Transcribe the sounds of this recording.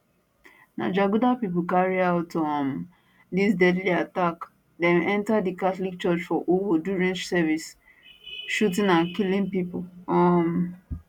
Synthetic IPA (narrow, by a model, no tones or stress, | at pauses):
na̰d͡ʒaɡudapipʊkaɹiaʊtɔm | disdɛdliatak | dɛ̃nɛ̃ntadikaθlik̚t͡ʃɔt͡ʃfɔʔowoduɹɛ̃nt͡ʃsɛvis | ʃut̬ĩnãnkilĩnpipʊɔm